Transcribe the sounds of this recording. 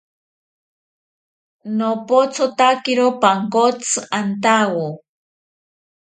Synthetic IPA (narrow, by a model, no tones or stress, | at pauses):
nopot͡sʰot̪akiɾopaŋkot͡sʰɨant̪awo